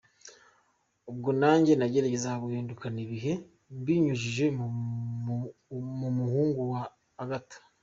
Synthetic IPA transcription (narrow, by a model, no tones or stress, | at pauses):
ub̚ɡonaːɲɟe̞naɟeɾaɟezaβuhiːndukaniβiɦe̞ | mbiɲuʒiʒe̞ | mumuhuːŋɡuwaː | ɡatḁ